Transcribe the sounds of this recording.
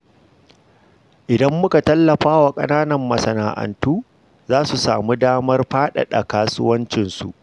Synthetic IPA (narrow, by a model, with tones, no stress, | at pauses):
ʔɪ˨dɐ˦mːʊ˦ka˨tɐ˦lːɐ˨ɸaː˦wa˨kʼɐ̰˦naː˦nɐ˨mːɐ˨sɐ˨na̰ː˨ʔɐ̰˨ntuː˦ | zaː˦su˨sa̰ː˨mu˦daː˦mɐ˦rɸaː˦ɗa̰˨ɗɐ˨kaː˦sʊ̰˦wɐ˦nt͡ʃɪ˨nsṵ˨ʔ